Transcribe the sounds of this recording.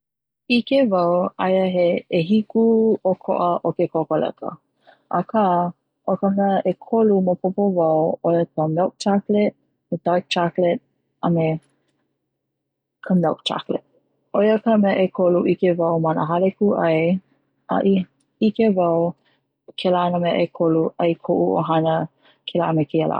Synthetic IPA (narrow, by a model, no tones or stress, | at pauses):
ikevɐwajəɦeeɦikuokʰo̰ʔəʔokekokolɛ̰kə̰ | ʔɐkʰa | ʔokəmɛəʔekʰolumopʰopovɐwojəkəmɛwk̚tʰaklɛt̚ | medajk̚tʰaklɛt̚ | ɐme | kʰəmɛwk̚tʰa̰klɛ̰t̚ | ojəkəmɛʔekʰoluʔikevɐwmanə̰ɦalekuʔɐj | ʔɐ̰ʔi | ikevɐw | kʰɛləanəmɛʔekʰoluɐjkʰoʔuo̰ɦanə | kʰɛlaʔmekʰiəlʔa̰